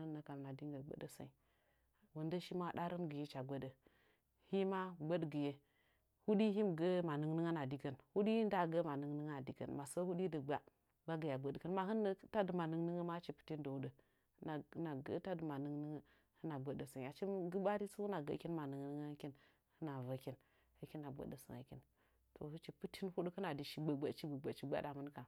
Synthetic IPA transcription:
ɨ˦nə˨ka˨mna˨di˦ŋɡə˨ɡ͡bə̰˦də˨sa̰˨i˨ | wu˨ndə˦ʃi˦ma˦˨ɗa˦ɾə˦nɡə˨je˦t͡ʃa˨ɡʷə˦də˨ | hi˦ma˦ɡ͡bə˦dɡə˨je˦ | hu˦di˦ɦi˦m˨ɡə˦ma˨nɨ˦ŋnɨ˦ŋa˦na˨di˦kə˨nhu˦di˦i˦nda˦ɡə˦ma˨nɨ˨ŋ˦nɨ˦ŋ˦a˨di˨kə̰˨nma˨sə˦hu˦di˦də˨ɡ͡ba˦ | ba˦ɡə˨ja˨ɡ͡bə˦dkə˦nma˨ɦɨ˦nːə˦ta˦də˨ma˨nɨ˦ŋnɨ˦ŋə˦ma˦t͡ʃi˦pi̥˨ti˦ndo˨˦də˨˦ | na˨˦na˨ɡə̰˦ta˦də˨ma˨nɨ˦ŋ˦nɨ˦ŋə˦ | hə˦na˨ɡ͡bə˨də˨sə˨ŋja˨t͡ʃi˦m˦ɡə˦ba˦ɾi˦su˦hu˦na˨ɡə̰˦ki˦nma˨nɨ˨ŋnə˦ŋ˦ki˦n | hə˦na˨və˦ki˦n | hə˦ki˦na˨ɡ͡bə̰˨də˨sə̰˨ŋa̰˨kḭ˦n | to̰˨hə˦t͡ʃi˨pɨ˦ti˦nhu˦də˦kə˦na˨di˨ʃi˨ɡ͡bə˨ɡ͡ba˦t͡ʃi˦bə˨ɡ͡ba˨t͡ʃi˨ɡ͡ba̰˦da˨mə˦n˦ka˨

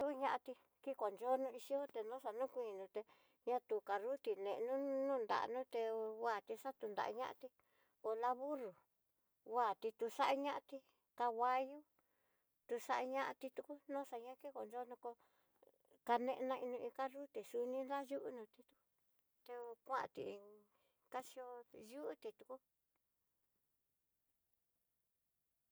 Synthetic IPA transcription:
t̪u˦˧ɲã˧ʔa˧t̪i˧ | ki˦ko˨nd͡ʒo˦nũ˧i˧ʃi˦o˦t̪e˧nõ˦ʂa˧nũ˦kʷĩ˧˨nũ˨˧t̪e˧ | ɲã˦t̪u˨ka˧ɾu˦t̪i˨nẽ˨˧ʔnũ˦nũː˦˨nd̪a̰˨ʔnũː˦t̪e˧wa˦˨t̪i˧ʂa˦t̪u˧nd̪a̰˨ʔa̰˧ɲã̰˦ʔa̰˧t̪i˧ | o˧la˧βu˦ɾu˨ | wa˦˨t̪i˧t̪u˧ʂa˦ʔa˦ɲã˦ʔa˧t̪i˧ | ka˧wa˦ju˦ | t̪u˧ʂa˦ʔa˧ɲã˦ʔa˧t̪i˧t̪u˧ku˦nõ˦ʂa˧ɲã˦ki˦ko˨nd͡ʒo˦nũ˧ko˧ | ka˧nẽ˧ʔnã˧ʔi˧nũ˧ĩ˧ka˦ʐu˦t̪i˨su˧nĩ˦nla˦ju˦ʔu˦nũ˧t̪i˧t̪u˧ku˦ | t̪e˧kʷã˦ã̰˧˨t̪ḭ˧˨˧ | ka˦si˧o˧ju˦ʔu˦t̪i˧t̪u˧ku˦

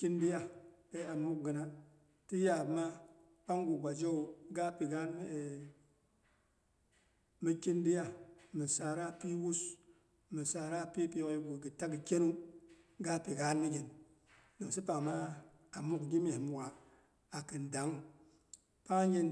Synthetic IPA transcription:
ki˦ndi˦ja˦de˦a˨mu˦k̚ɡə˨na˨ | ti˦ja˨bma˦ | pa˦ŋɡu˨ɡʷa˨d͡ʒo˦u˨ɡa˦pi˨ɡa˦n˦˨ | mi˦ki˦ndi˦ja˦mi˨sa˨ɾa˦pi˦wu˦s | mɨ˨sa˨ɾa˦˨pi˦pi˦jo˦ɡu˨ɡɨ˨ta˦ɡi˨kʲe˦nu˦ɡa˦pi˨ɡa˦nmi˦ɡʲi˨n | do˨si˦pa˨ŋ˨ma˦ | a˨mu˦kɡʲi˦me˨hmu˨wa˨ | a˨kɨ˨nda˨˦ŋ | pa˦d͡ʒi˦n

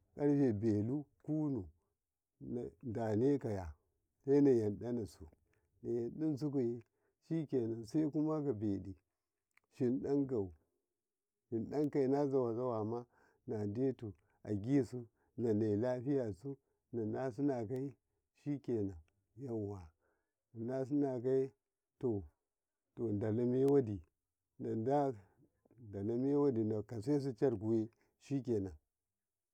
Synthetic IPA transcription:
ka˦ɾfe˨be˨lu˦ku˦nu˨ | na˨nda˨ne˦ka˨ja˨ | se˦na˨ja˨nɗa˦na˨su˨ | na˨ja˨nɗi˦ns̬u˦ku˨je˦ | ʃi˦ke˨na˨nsa˦i˦ku˦ma˦ɡa˨be˨ɗi˨ | ʃi˨nɗa˦ŋka˨u˨ | ʃi˨nɗa˦ŋka˨i˨na˦za˨wa˨za˦wa˨ma˦ | na˨de˦tu˨ | a̰˨ɡʲi˦˨su˦ | na˨na˨i˨la˦ɸi˦ja˨su˦ | na˨na˦s̬u˦na˨k̬a˦i˦ | ʃi˦ke˨na˨ | ja˦n˨wa˨ | na˦s̬u˦na˨k̬a˦i˦ | to˨ | to˨nda˨la˦me˦wa˦di˨ | na˨nda˦ | nda˨la˦me˦wa˦di˨na˨ka˨s̬a˦s̬u˦t͡ʃa˦ɾku˨we˦ | ʃi˦ke˨na˨

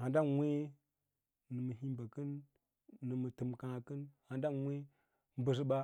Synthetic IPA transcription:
ha˨nda˦nwʷe˦ | nɨ˨mə˨ɦi˦mba˨kɨ˦nː | ɨ˨mə˨tɨ˨mkã˨kɨ˦nha˨nda˦nwʷe˦ | m˦bə˨s̬i˦ɓa˦

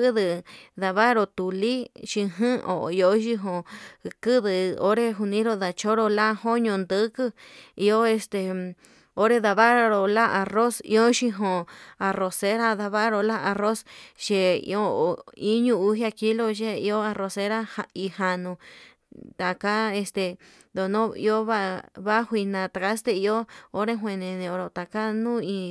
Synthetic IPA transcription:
kɨ˦ðɨ˧ða˧βa˦ɾo˧t̪u˨li˦ʃĩ˧ɦɨ̃˦o̰˨i˧o˦ʃi˧ɦõ˧kɨ˦ðɨ˨o˦ɾe˦ɦu˧nĩ˦ɾo˧ða˧t͡ʃo˦ɾo˧la˦ho˦ɲõ˧˨nd̪ɨ˦kɨ˦i˧o˦e˧st̪e˧ | o˦ɾe˦˧ða˧βa˦˧ɾo˧la˦ʔa˧ro˦sḭ˧o˦ʃi˧ɦõ˧˨a˨ro˨se˦ɾa˦ða˧βa˦ɾo˧la˦a˧ro˦sʃe˧ḭ˧o˦˨i˦ɲũ˦u˧˦ɦja˧ki˦lo˦˧ʒe˦i˧o˦a˧ro˧se˧˦ɾa˦ha˧i˧ha˧nũ˧ | t̪a˨ka˦e˧st̪e˧ | d̪o˨nõ˦ḭ˧o˦βa˦βa˦hʷi˧nã˧˨t̪a˨ka˦st̪e˧i˧o˦o˦ɾe˦ɦʷwʷẽ˧nẽ˧nẽ˧o˧ɾo˨t̪a˨ka˦nũ˦ĩ˧

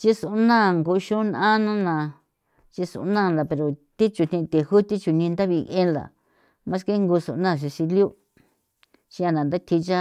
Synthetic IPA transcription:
t͡ʃi˦su˨ʔnã˦˨ŋɡo˧ʃũ˦nã˦nũ˦nã˧˨ | t͡ʃi˧sṵ˨˧˦nã˦˨˧la˨pe˨ɾo˨t̪i˦t͡ʃu˨˧n̥ĩ˧t̪e˨hu˦t̪i˦t͡ʃu˧nĩ˧nd̪a˦βi˧ʔẽ˦nla̰˨ | mã˦s̬ke˦ŋɡu˧sṵ˨˧nã˦˨ʃ̬i˧si˧lju˦ | t͡ʃĩ˦a˧nã˨nd̪a˦t̪ʰi˧t͡ʃa˦

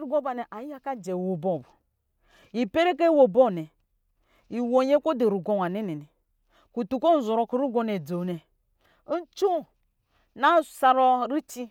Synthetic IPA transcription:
ɾu˦ɡo˦ba˨nɛ˨ʔa˨ja˦ka˦d͡ʒɛ˨wo˨bo˦˨bu˨ | i˨pe˦ɾe˦k̬e˦wo˨bo˦˨nɛ˨ | i˨wo˨ɲe˦ko˦de˨ɾu˨ɡo˨n˨a˨ne˦ne˨nɛ˨ | ku˨tu˨ko˦n̩˦zo˨ɾo˨ku˦ɾu˦ɡo˨ne˨d͡zo˨nɛ˨ | n̩˦t͡ʃu˦ | na˦˨sa˨ɾɔ˦ɾi˦t͡ʃi˦

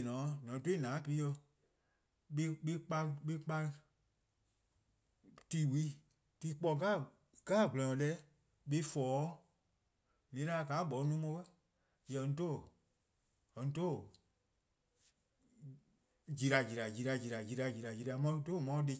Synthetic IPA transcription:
nɔ̃˨nɔ̃˨˦to˦˨nãː˨˦pi˧i˦jo˧ | ɓe˦ɓe˦k͡pã˧ɓe˦k͡pã˧ | tiː˦˨wi˦ | ti˧˦k͡pɔ˧kaː˦˨ | kaː˦˨ɡ͡bɔ̃˧ɔ̃˧lɛ˦ | ɓe˧˦fɔː˨˦ | nĩ˨˦la˧˦˧ka˨˦bɔ˨˦nũː˦mõ˧˦kɛ˦ | jɛ̃˨n˧˦to˦˨ | ɛ̃˨n˧to˦˨ | d͡ʒi˨ɾa˨d͡ʒi˨ɾa˨d͡ʒi˨˧ɾa˧d͡ʒi˨ɾa˨d͡ʒi˧ɾa˧d͡ʒi˨ɾa˨d͡ʒi˧˨ɾa˨mɔ̃˧˦to˦˨mɔ̃˧˦˧de˧

